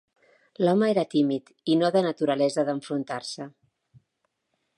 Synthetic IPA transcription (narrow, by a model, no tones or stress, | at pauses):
lɔməeɾət̪imit̪ | inoðənət̪uɾəlɛzəðəɱfɾunt̪aɾsə